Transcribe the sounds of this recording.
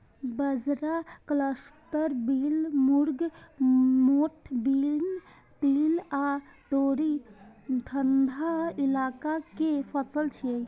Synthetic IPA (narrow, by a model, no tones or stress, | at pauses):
bəd͡ʒɾakləsʈ̪əɾbiːlmuɾɡ | moʈʰbil | t̪iːlat̪oɾit̪ʰənd̪ʱailaːkakepʰəsəlt͡ʃʰijəj